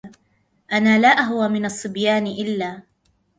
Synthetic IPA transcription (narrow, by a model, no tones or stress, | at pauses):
ʔanaːlaːʔaɦwaːmɪnɑsˤːɨbjaːnɪʔɪlːaː